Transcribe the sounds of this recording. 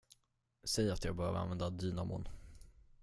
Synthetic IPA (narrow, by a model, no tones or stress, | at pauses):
sɛjat̪jɑːɡbœɾja̰vəɾa̰nvɛnd̪ad̪iːnamʊ̰n